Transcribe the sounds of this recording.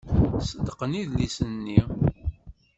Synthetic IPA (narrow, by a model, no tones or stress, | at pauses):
səd̪ːəqəniðlisənːi